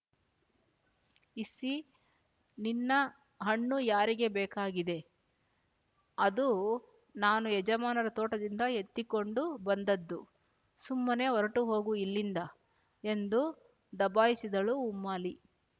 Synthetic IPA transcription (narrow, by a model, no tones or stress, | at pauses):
isi | ninːɐ | ɦɐɳːujaːɾiɡe̞bɛːkaːɡid̪e̞ | ɐd̪u | naːnuɛd͡ʒɐmaːnɐɾɐt̪oːʈɐd̪ind̪ɐɦet̪ːiko̞ɳɖubɐnd̪ɐd̪ːu | sumːɐne̞ɔɾɐʈuɦo̞ːɡuilːind̪ɐ | e̞nd̪u | d̪ɐbaːjisid̪ɐɭuːmːaːli